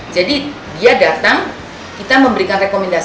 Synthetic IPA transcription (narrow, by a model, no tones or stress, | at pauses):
d͡ʒadi | diadat̪aŋ | kit̪aməmbəɾikanrekomɛnda